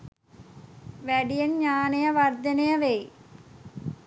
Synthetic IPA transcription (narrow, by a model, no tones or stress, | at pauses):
ʋeɖijɐnɲaːnejɐʋɐrd̪ɐnejɐʋej